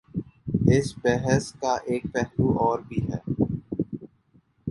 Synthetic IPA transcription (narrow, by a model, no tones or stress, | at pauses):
ɪsbɛɦəskaʔeːk̚pɛɦluʔɔːɾbʱiɦɛː